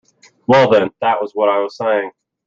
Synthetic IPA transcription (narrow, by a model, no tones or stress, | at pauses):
wɛlˠðɨ̃nðəʔ̚wʔʌzwʌɾaɪwʌz̥seɪɪ̃ŋ